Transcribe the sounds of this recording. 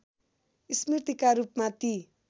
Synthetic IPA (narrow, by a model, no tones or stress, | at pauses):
ismirt̪ikaɾupmat̪i